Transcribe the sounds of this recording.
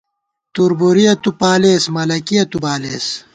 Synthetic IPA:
t̪uɾboɾijɐt̪upaːleːsmɐlɐkiɐt̪ubaːleːs

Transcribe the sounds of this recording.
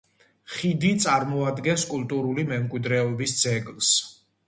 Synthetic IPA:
χid̪it̪sʼaɾmɔad̪ɡɛnskʼult̪ʼuɾulimɛmkʼwid̪ɾɛɔbisd̪zɛɡlˠs

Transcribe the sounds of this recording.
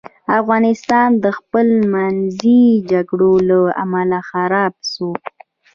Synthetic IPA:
afɣɑnɪst̪ɑnd̪əxpəlmanzid͡ʒaɡɽolaa̰malaxaɾɑb̚so

